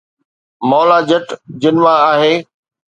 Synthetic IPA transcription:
mɔːlad͡ʑɐʈd͡ʑɪnʋaaːɦeː

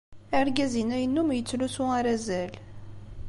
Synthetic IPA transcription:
æɾɡæzinæjənːumjət͡sːlusuaɾæzæl

